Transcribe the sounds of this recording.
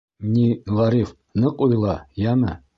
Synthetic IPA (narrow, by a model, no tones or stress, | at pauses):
nʲiʁɑɾif | nɤqujlˠɑjæmɘ